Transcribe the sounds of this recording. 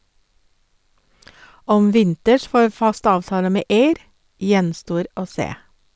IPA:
ˈɔm ˈʋɪntəʃ ˈfoːɾ ˈfɑst ˈɑːʋtɑːlə ˈmeː ˈeɪɾ ˈjɛnˌstoːɾ ˈoː ˈseː

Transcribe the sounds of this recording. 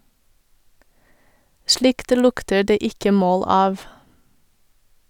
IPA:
ˈʃlɪkt ˈlʊktə ˈɖeː ˈɪkə ˈmoːl ˈɑːʋ

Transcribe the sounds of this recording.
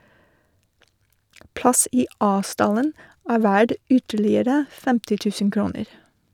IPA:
ˈplɑs ˈiː ˈɑː ˈstɑlən ˈæː ˈʋæɖ ˈʏtəɭɪəɾə ˈfɛmtɪ ˈtʉːsən ˈkɾuːnəɾ

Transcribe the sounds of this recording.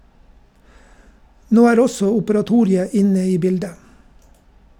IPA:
ˈnoː ˈæːɾ ˈɔsɔ ʊpəɾɑˈtuːɾɪə ˈɪnə ˈiː ˈbɪldə

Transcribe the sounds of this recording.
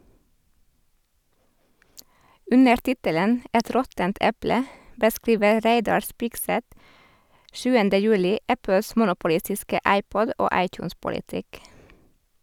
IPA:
ˈʉnəɾ ˈtɪtələn ə ˈɛt ˈɾɔtənt ˈɛplə bəˈskɾiːʋə ˈɾeɪdɑɾ ˈspɪɡˌsɛt ˈʃʉːəndə ˈjʉːlɪ ˈæpəs ˈmʊnʊpʊˌlɪstɪskə ˈʔɑɪˌpɔd ˈʔoː ˈɑɪcˌjuːnspʊlɪˌtɪk

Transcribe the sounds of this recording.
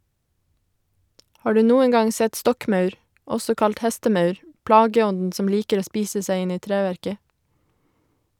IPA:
ˈhɑː ˈɖʉː ˈnuːəŋ ˈɡɑŋ ˈsɛt ˈstɔkˌmœʉɾ ˈɔsɔ ˈkɑlt ˈhɛstəˌmœʉɾ ˈplɑːɡəˌɔndn̩ ˈsɔm ˈliːkəɾ ˈoː ˈspiːsə ˈsæɪ ˈɪn ˈiː ˈtɾæːʋæɾkə

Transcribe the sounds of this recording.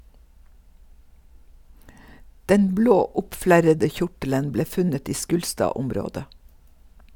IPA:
ˈdɛn ˈbloː ˈʊpˌflæɾədə ˈçʊʈələn ˈbleː ˈfʉnət ˈiː ˈʃkʉːlstɑːˌʊmɾoːdə

